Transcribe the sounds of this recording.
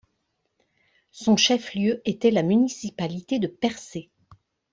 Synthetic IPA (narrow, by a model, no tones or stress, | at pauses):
sɔ̃ʃɛfljøet̪ɛlamynisipalit̪ed̪əpɛʁse